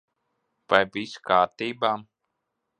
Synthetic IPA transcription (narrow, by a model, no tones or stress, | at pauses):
vajviskaːɾt̪iːbaːm